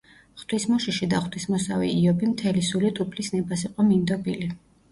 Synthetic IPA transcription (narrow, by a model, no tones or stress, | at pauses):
χt̪ʰwismɔʃiʃid̪aχt̪wismɔsavḭːɔbimt̪ʰɛlisulit̪ʼupʰlisnɛbasiqʼɔmind̪ɔbili